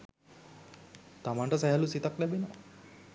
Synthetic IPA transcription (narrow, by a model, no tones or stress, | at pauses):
t̪amaɳʈəsaɦɛlusit̪aklɛbenɔ